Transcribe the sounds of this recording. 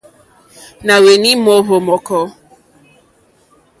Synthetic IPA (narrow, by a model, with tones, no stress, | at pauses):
na˨we˨ni˦mo˦ɦo˨mɔ˨kɔ˦